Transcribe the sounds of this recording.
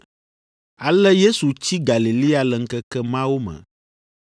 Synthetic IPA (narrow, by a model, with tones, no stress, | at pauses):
a˨lɛ˦je˦su˨t͡ɕi˦ɡa˨li˨li˦a˨lə˨ŋ̩˦kɛ˦kɛ˦mã˦wo˦mɛ̰̃˨